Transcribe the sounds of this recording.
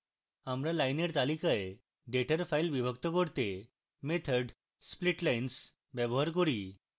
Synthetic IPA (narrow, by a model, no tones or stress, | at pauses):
amɾalajneɽt̪alikae | ɖeʈʰəɾfajlʋibʱək̚t̪əkəɽt̪e | met̪ʰəɖ | spliʈlajins | ʋɛboɦaɾkoɽiː